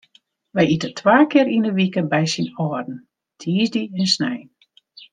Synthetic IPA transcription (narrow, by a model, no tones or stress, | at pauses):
ʋɛjitətʰwaːkɪəɾinəʋikəbɛjsinɔːrdn̩ | tʰiːzdiɛnsnɛj